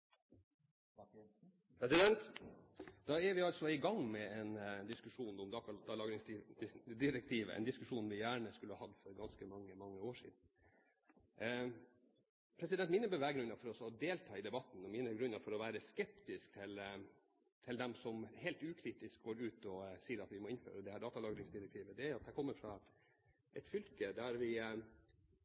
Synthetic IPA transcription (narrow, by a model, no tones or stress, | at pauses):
pʰɾɛsɪd̪ɛnt̪ | d̪̥ɑɛɾʋɪɑlsɔɪɡɑŋːmɛɛnd̪ɪskʉʂuːnɔmd̪ɑkʰɑd̪ɑlɑːɡɾɪŋsd̪ɪɾɛk̚t̪ʰiːʋə̰ʔɛ̰nd̪ɪskʉʂuːnʋɪjæːɳəskʉlːəhɑhɑd̪fɔɾɡɑnskəmɑŋːəmɑŋːəoːʂḭːd̪n̩ | pʰɾɛsɪd̪ɛnt̪mɪnəbəʋæːɡɾʉnːɑfɔɾɔsɔd̪eːlt̪ʰɑːɪd̪ɛbɑt̪n̩ɔmiːnəɡɾʉnːɑfɔɾɔʋæːɾəskɛp̚t̪ɪsk̚t̪ʰɪl | t̪ʰɪld̪ɛmsɔmhɛːlt̪ʉːkʰɾiːt̪ɪsk̚ɡoːɾʉːt̪ɔsiːəɾɑt̪ʋɪmɔɪnfø̰ːɾəd̪ɛhæːɖ̪ɑːt̪ɑlɑːɡɾɪŋsd̪ɪɾɛk̚t̪ʰiːʋəd̪ɛæɾʊɑt̪̚d̪ɛkʰɔmːəɾfɾɑ | ʔɛt̪fʏlkəd̪æɾʋɪ